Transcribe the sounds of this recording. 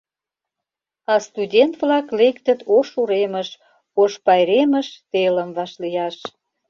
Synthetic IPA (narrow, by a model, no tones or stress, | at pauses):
ɑst̪udʲent̪vlɑklekt̪ə̆t̪oʃuɾeməʃ | oʃpɑjɾeməʃt̪elə̆mvɑʃlijɑʃ